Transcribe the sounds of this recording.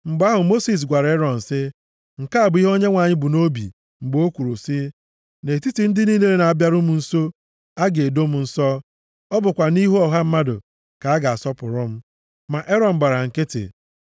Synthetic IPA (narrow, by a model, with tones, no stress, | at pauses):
m̩˨ɡ͡ba˦ɦʊ˨mo˦si˨s̬ɡʷa˨ɾa˨e˦ɾɔ˨n̩˨sɪ˦ | ŋ̩˨ka˦a˨bi˦ɦo˦ɲe˦ŋʷa˨ɲɪ˦bu˨no˦bḭ˨ | ŋ͡m̩˨ɡ͡bo˦kʷu˨ɾo˨si˦ | ne˨ti˦ti˨n̩˦dɪ˦ni˦ne˦ɾe˨na˨a˨bja˦ɾʊ˦mu˨n̩˦so˦ | a˦ɡe˨do˦mu˨n̩˦sɔ˦ | ɔ˦bʊ˨kʷa˨ni˦ɦɔ˨ɦa˦m̩˦ma˦dʊ̰˨ | ka˨a˦ɡa˨a˨sɔ˦pʊ̰˨ɾʊ˦m̩˦ | ma˨ʔe˦ɾɔ˨m̩˨ɡ͡ba˨ɾa˨ŋ̩˨ke˦tɪ̰˨